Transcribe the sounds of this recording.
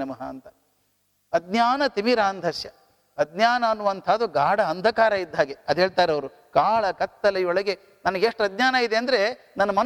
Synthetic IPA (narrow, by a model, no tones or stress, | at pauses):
nɐmɐɦaːnt̪ɐ | ɐd̪ɲjaːnɐt̪imiɾaːnd̪ʱɐʃjɐ | ɐd̪ɲjaːnɐːnːuʋɐnt̪ʰaːd̪uɡaːɽɐɐnd̪ʱɐkaːɾɐid̪ʱːaːɡeɐd̪uɦeːɭt̪aːɾeɐʋɐɾu | kaːɭɐkɐt̪ːɐlɐjɔɭɐɡe | nɐnɐɡeʂʈɐd̪ɲjaːnɐid̪eɐnd̪ɐɾe̞ | nɐnːɐmɐn